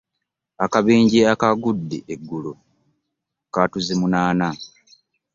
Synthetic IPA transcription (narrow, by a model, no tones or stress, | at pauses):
akaβiːɲɟiakaɡudːḛʔeɡːulo | katuzimunaːna